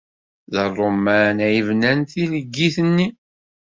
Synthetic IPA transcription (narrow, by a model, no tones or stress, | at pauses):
ðərˤːomːænæjəvnænθiləɡːiθənːi